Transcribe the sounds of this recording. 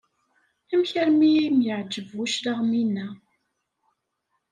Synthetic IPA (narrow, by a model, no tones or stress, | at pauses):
æmçæɾmimjəʕd͡ʒːəvuʃɾaʁminːæ